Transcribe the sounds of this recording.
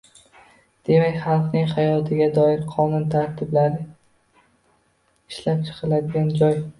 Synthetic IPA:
d̪̥e̞makʲχɑlˠqnɪŋhajɒt̪ʰɪɡʲad̪ɒɪɾqʰɒnʊnt̪ʰaɾt̪ʰɪblaɾɪ | ɪʃlap̚t͡ʃʰɨ̥qʰɨlad̪ɪɡʲand͡ʒɒj

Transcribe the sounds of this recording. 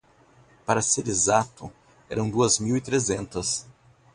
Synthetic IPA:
paɾɐseɾezat̪ʊ | ɛ̰ɾɐ̃w̃d̪uɐzmiwit̪ɾezẽnt̪ɐs

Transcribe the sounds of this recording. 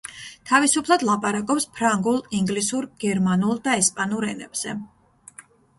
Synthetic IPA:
t̪ʰavisupʰlˠad̪lˠapʼaɾakʼɔpspʰɾaŋɡulˠiŋɡlisuɾɡ̥ɛɾmanulˠd̪aɛspʼanuɾɛnɛ̰bz̥ɛ

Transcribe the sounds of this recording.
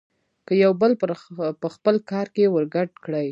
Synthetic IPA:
kəjawbəlpəxpəlkɑɾkewəɾɡaɖkɽəj

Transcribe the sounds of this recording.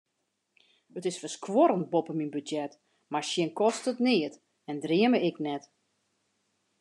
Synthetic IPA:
ətɪsfəskʰwɔɾənt̚bopəminbydjɛt | maɹʃjɪnkɔstətnɪət | ɛndriəməɪknɛt

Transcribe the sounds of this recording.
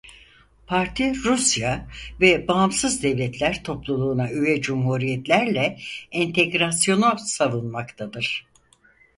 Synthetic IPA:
pʰaɾt̪ʰiɾusjavɛbaɦːmsɯzd̪ɛvlʲɛt̪ʰlʲæɾt̪ʰo̞plˠulˠuːnayjɛd͡ʒumhuɾijɛt̪lʲæɾlʲɛɛnt̪ʰeɡɾasjo̞nusavˠɯnmakt̪ʰad̪ɯɾ̥

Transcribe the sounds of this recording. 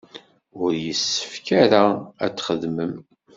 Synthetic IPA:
ʊɾjəsːə̥fkaɾaæ̰t͡sːχəðməm

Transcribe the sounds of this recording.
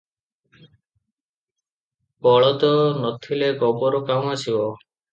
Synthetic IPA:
bɔɭɔt̪ɔnɔt̪ʰileɡɔbɔɾɔkamasibɔ

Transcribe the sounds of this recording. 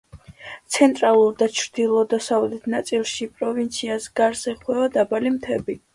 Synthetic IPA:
t̪sʰɛnt̪ʼɾalˠuɾd̪at͡ʃʰɾd̪ilˠɔd̪asavlɛt̪ʰnat̪sʼilˠʃipʼɾɔvint̪sʰiasɡaɾsɛχwɛvad̪abalimt̪ʰɛbi

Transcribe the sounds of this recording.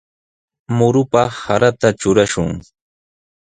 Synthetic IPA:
mʊɾʊpɑhaɾat̪at͡ʃʊɾaʃʊŋ

